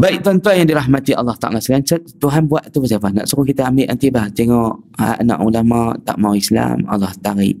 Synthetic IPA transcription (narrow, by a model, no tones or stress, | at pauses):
baiʔ̚t̪uant̪uanjaŋdiɾaɦmat̪iʔɑ̰lːɑht̪a̰ʔa̰lasəlant͡ʃək̚t̪uɦanbuaʔ̪t̪ubəs̬iafahna̰ʔsukokit̪əambɪʔnant̪ibaht̪eŋɔʔa̰anã̰ʔulamaʔt̪a̰ʔmawisla̰mɑ̰lːɑht̪aɾḭʔ